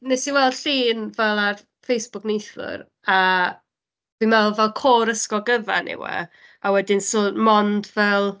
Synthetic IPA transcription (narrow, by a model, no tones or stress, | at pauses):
nɛsiwɛlˠdɬiːnvɛlˠar | fejsb̥ʊknejθʊ̰ɾ | a | v̥imɛlˠvɛlˠkʰoːɾəskɔɡəva̰nɪ̰wɛ̰ | awɛdɪnsomɔndvɛlˠ